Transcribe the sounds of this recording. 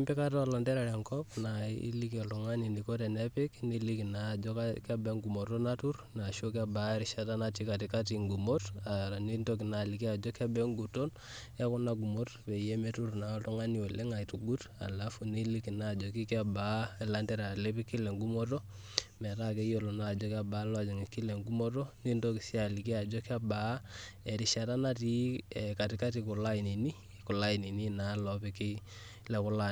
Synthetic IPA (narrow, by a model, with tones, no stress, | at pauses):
i˦mpɛ˦ka˦tɔ˦˨la˨ndɛ˦ɾɛ˨ɾɛ˨ŋkɔpna˨ḭ˦li˦k̬i˨ɔ˨ltɔ˨ŋa˦ni˨ni˨ko˦tɛ˨nɛ˦pɪ˦kni˦li˦ki˨na˨d͡ʒɔ˦kaka˦bɛ˦ŋɡu˨mo˨to˦na˦tu˦rna˨ʃo˦k̬a˦ba˨˦ɾi˨ʃa˦ta˦na˦ti˦ka˨ti˨ka˦ti˨ŋɡu˨mo˦ta˨a˨ni˦nto˦k̬i˨na˨li˨ki˦a˨d͡ʒɔ˦kɛ˦bɛ˦ŋɡu˨to˦n | ɛ˦ku˦na˦ɡu˨mo˦tpɛ˨jɛ˦mɛ˦tu˦rna˨ɔ˦ltɔ˦ŋa˦ni˨wɛ˨lɛ˦ŋa˨i˨tu˨ɡu˦t | a̰˨la˨˦fu˨ni˦li˦ki˨na˦˨d͡ʒo˨ki˦ka˦ba˨˦ɛ˨la˦ndɛ˦ɾa˨le˦pi˦ki˦lɛ˨ŋɡu˦mo˦t̬o˦ | mɛ˨ɾa˦ke˦jo˨lo˨na˨d͡ʒɔ˦ka˦ba˨˦lɔ˦a˨d͡ʒɔ˨ŋɪ˨ki˦lɛ˨ŋɡu˦mo˦to˦ni˦ndo˦ki˨si˦a˨li˨ki˦a˨d͡ʒɔ˦ka˦ba˨˦ɛ˨ɾɪ˨ʃa˨ɾa˦na˦ti˦ɛ˨ka˨ti˨ka˦ti˨kʊ˨la˦i˨ni˨ni˦ | ku˨la˦i˨ni˨ni˦na˨˦lɔ˨pɛ˦kɪ˦lɛ˦kʊ˦la˦